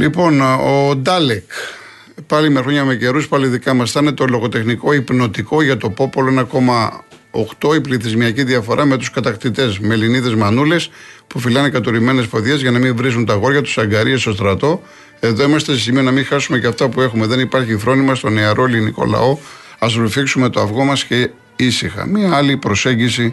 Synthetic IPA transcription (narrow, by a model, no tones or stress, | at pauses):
lipo̞nod̪ɐlek | pɐlimexɾo̞ɲɐme̞ce̞ɾuspɐliðikɐmɐst̪net̪oloɣo̞t̪e̞xniko̞ipno̞t̪iko̞ʝɐt̪o̞po̞poloenɐko̞mɐ | oxt̪o̞ipliθizmiɐciðiɐfo̞ɾʔɐme̞t̪uskɐt̪ɐkt̪it̪e̞zme̞liniðe̞zmɐnule̞spufilɐnekɐt̪o̞ɾime̞ne̞spo̞ðʝe̞zʝɐnɐmiɱvɾis̬unt̪ɐɣo̞ɾʝɐt̪u̥sɐŋɡɐɾiest̪o̞st̪ɾɐt̪o̞ | e̞ðo̞imɐst̪esesimionɐmĩxɐsumeceɐft̪ɐpue̞xume̞ðe̞nipɐɾçiθɾo̞nimɐst̪o̞ne̞ɐɾo̞eliniko̞̰lɐ̰o̞ | ɐzlofiksume̞t̪o̞ɐvɣo̞mɐsce̞ | isixɐ̰miɐɐlipɾo̞se̞ɲɟisi